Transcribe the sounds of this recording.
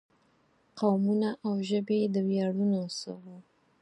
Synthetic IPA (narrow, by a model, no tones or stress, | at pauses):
qawmunaʔawʒəbed̪əwjaɽunosə̰wo